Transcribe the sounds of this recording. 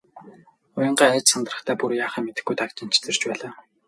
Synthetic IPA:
ʊjə̆ɴɢaːæːt͡ɕsant̪rə̆χt̪ʰæːpurjaːχæːmet̪ɘ̆xɡujt̪akt͡ɕɪ̆n̥t͡ɕʰt͡sɘ̆rt͡ɕpæːɮaː

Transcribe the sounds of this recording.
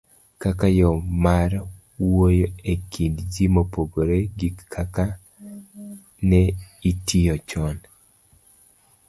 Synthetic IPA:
kakajɔmaɾ | wojoekʰindd͡ʒimopoɡoɾeɡikːʰaka | nɛitijɔt͡ʃɔn

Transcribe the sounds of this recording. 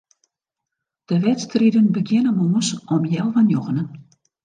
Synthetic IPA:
d̥əʋɛtstridənbəɡjɪnəmoːəsɔmjɛlˠvanjɔɣənən

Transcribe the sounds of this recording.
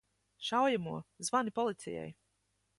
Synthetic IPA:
ʃawjamuɔzvanipɔlˠit̪sʲɛ̰jɛ̰j

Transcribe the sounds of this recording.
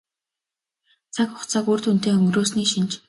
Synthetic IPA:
t͡sʰakʊχt͡sʰakoːrt̪un̥t̪eːɵŋɡroːsniːʃint͡ɕ

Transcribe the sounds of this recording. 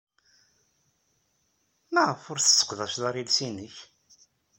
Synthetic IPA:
nəʁəfʊɾθə̥sːə̥qðæʃlaɾilsinəç

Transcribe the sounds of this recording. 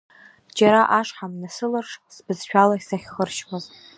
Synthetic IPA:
d͡ʒaɾaʔaʂħamnasɨlarʂsbɨzʃᶣalaisaχʲχərʃkʷaz

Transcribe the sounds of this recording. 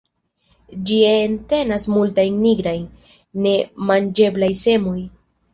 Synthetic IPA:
d͡ʒiente̞nasmultajnːiɡɾajnː | e̞mand͡ʒe̞blajse̞mo̞j

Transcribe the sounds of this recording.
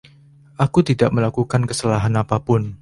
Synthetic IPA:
ʔakut̪idaʔməlakukankəsəlaɦanapapʊn

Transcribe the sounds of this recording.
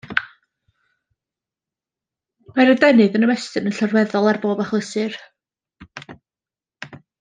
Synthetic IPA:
maɾədɛnɨðənəwɛstɨnənɬɔrwɛðɔlˠarboːbaχwəsɨr

